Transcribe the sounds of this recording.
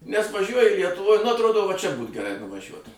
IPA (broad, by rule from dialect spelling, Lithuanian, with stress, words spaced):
nʲɛs ʋɐˈʒʲuɔjɪ lʲiɛtʊˈʋoːj nʊ ɐtˈroːdoː ʋɐ t͡ʃʲɛ buːt ɡʲɛˈrɐɪ nʊʋɐˈʒʲuɔt